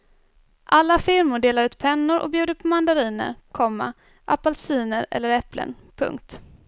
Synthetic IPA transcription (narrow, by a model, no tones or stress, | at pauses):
ʔalːafɪɾmʊɖeːlaɾʉːt̪̚pʰɛnːʊɾʔɔ̰bjʉ̟ːd̪əɾpʰɔmand̪aɾiːnə̰ɾkʰɔmːa̰ | ʔa̰palsiːnəɾɛ̰lːəɾɛplə̰n | pʰɵ̰ŋk̚t̪